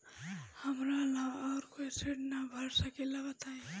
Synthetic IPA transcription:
həmɾalaɔːɾkoisɪɽnabʱəɽsəkelabət̪aẽ

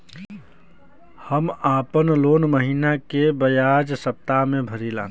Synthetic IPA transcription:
həmaːpənloːnməɦiːnakebəjaːd͡ʒsəp̚t̪amẽbʱəɾilã̰ːn

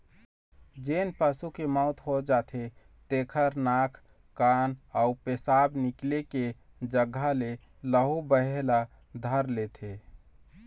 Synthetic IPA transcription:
d͡ʒenpəsukemɔʊt̪ɦod͡ʒat̪ʰe | t̪ekʰəɾnakʰ | kanaupesabnikleke | d͡ʒəɡʱːale | ləɦubəɦela | d̪ʱəɾlet̪ʰe

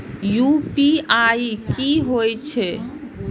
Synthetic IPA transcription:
jupiaikiɦojt͡ʃʰe

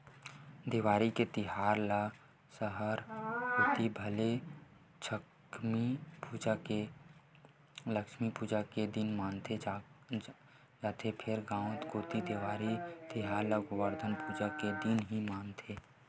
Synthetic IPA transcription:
d̪eːʋaːɾiket̪ɪɦaːɾla | səɦəɾɡoːt̪ibʱəle | t͡ʃʰə | mipuːd͡ʒake | ləkʃmipuːd͡ʒaked̪ɪnmaːnt̪ʰe | d͡ʒaːt̪ʰepʰɪɾɡãːõt̪ɡoːt̪id̪eːʋaːɾit̪ɪɦaːɾlaɡʊʋəɾd̪ʱənpuːd͡ʒaked̪ɪnɦimaːnt̪ʰeː

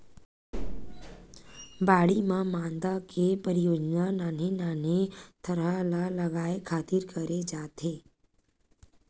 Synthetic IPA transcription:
baːɽimãmãːnd̪akʰepəɾɪjoːd͡ʒnanaːnenaːnet̪əɾəlaləɡaːekʰaːt̪ɪɾkəɾed͡ʒaːt̪eː

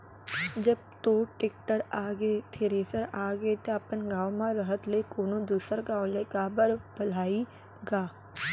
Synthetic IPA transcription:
d͡ʒəb̚t̪oːʈɪk̚ʈəɾaːɡet̪ʰeɾeːsəɾaːɡet̪oɐpənɡaːwmãɾəɦət̪lekoːnõd̪uːsəɾɡaːwleɡaːbəɾb̥ɐl̤aːi | ɡaː

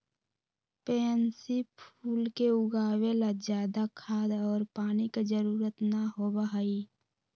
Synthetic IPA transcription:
pɛːnsipʰuːlkeʊɡaːwelad͡ʒjaːd̪akʰaːd̪ɔːɾpaːniked͡ʒəɾuːɾət̪naɦobəɦai

